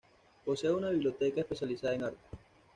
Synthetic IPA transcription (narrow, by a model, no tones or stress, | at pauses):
poseunaβiβljot̪ekaespesjalisaðaeŋaɾt̪e̥